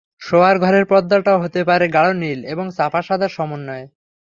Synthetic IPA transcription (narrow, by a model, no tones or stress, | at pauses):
ʃoaɾɡʱɔɾeɾpɔd̪ːaʈaoɦot̪epaɾeɡaɭonileboŋsapʰaʃad̪aɾʃɔmonːɔe